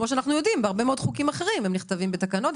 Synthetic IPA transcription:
moʃ̬eanaχnujo̞dimbeaʁbemeo̞d̪χukimaχeʁimemniχt̪avimbet̪akano̞t̪

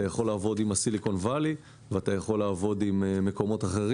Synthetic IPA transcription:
ajaχo̞laːvo̞dimasiliko̞nvali | veat̪ajaχo̞lːaːvo̞d̪imːe̞ko̞mo̞t̪aχe̞ʁi

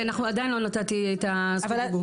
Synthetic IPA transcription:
anaχnuad̪ajinlo̞nat̪at̪iet̪av

